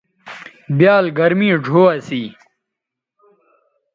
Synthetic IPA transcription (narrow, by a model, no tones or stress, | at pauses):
bjaːlɡɐɾmĩːd͡ʑʱoːɐsiː